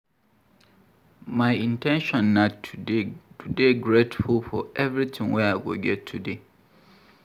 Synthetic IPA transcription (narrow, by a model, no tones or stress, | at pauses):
mãɪĩntʰɛ̃nʃɔ̃nːauetʰudeɡɹetfulfɔɛvɹitʰɪ̃ŋwɛaɡo̰ɡɛtʰːude